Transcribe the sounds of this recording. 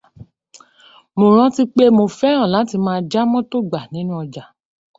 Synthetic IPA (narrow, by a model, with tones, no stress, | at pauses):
mo˨ɾ̃ã˦ti˦k͡pe˦mo˧fɛ˦ɾ̃ã˦˨la˨˦ti˧mãː˦d͡ʒa˦mɔ̃˦to˦ɡ͡ba˨nĩ˨˦nũ˦ɔ˧d͡ʒa˨